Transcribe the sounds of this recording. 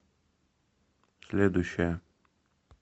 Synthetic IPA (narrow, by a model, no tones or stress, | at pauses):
sʲlʲed̪ʊjɕːɪjə